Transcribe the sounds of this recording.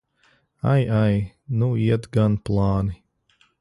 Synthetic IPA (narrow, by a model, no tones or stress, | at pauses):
a̰jaj | nuiɛt̪ɡanplˠɑːni